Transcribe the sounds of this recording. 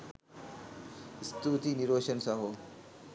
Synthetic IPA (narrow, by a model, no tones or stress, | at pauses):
st̪ut̪iniɾʋoːʃɐnsɐɦo